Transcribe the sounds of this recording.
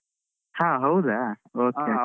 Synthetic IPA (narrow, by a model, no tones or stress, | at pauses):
hãɦowd̪aoke